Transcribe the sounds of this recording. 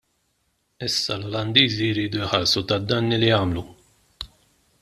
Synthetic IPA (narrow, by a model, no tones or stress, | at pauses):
ɪsːɐlɔlɐnd̪iːzijɾiːd̪ujħɐɾsut̪ɐd̪ːɐnːilijɐːmlu